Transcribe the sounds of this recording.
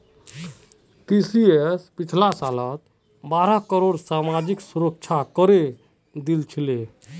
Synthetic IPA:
ʈisiespit͡ʃʰlasalət̪ | baɾakəɾoɽsamad͡ʒiksuɾək̚t͡ʃʰakəɾe | d̪ilt͡ʃʰile

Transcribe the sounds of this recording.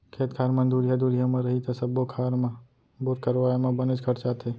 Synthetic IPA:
kʰeːt̪kʰaːɾmə̃nd̪uɾijad̪uːɾijamãɾəɦit̪asəbokʰaːɾmã | boɾkəɾʋaːemãbənɪt͡ʃkʰəʈt͡ʃaːt̪ʰe

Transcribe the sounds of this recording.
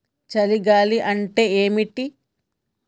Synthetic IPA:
t͡ʃɐliɡaːliʔɐɳʈe̞ːeːmiʈi

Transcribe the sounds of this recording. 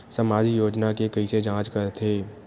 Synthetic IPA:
səmaːd͡ʒijoːd͡ʒnakekɐised͡ʒãːt͡ʃkəɾt̪ʰeː

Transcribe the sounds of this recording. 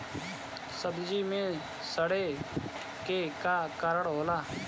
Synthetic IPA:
səbd͡ʒiːmẽː | səɽeː | keːkaːkəɾəɽɦoːlaː

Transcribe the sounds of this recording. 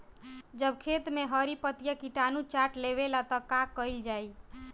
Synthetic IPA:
d͡ʒəbkʰet̪meɦəɾipət̪jəkiʈanut͡ʃaʈleβelat̪ɔkakəild͡ʒaj

